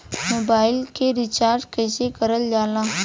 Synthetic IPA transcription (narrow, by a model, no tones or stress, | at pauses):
mobailkeɾit͡ɕaɾʈkəjsekəɾəld͡ʒala